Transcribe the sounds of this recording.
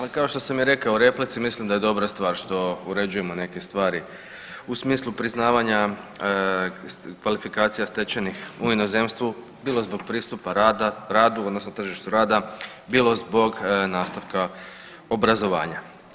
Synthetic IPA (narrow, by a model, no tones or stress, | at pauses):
akao̞ʃt̪o̞samjeɾe̞kaooɾe̞plit̪simislimd̪aje̞d̪o̞bɾast̪ʋaːɾʃt̪o̞uɾe̞d͡ʑuje̞mo̞ne̞ke̞st̪ʋaːɾi | usmiːslˠupɾiznaːʋaɲa | kʋalifikaːt̪sijast̪e̞t͡ɕenixuino̞ze̞mst̪ʋu | biːlozbo̞ɡ̚pɾiːst̪upaɾad̪aɾaːd̪uo̞d̪no̞snot̪r̩ʒiʃt̪uɾaːd̪a | biːlˠo̞zbo̞ɡnaːst̪aʋka | o̞bɾazo̞ʋa̰ːɲa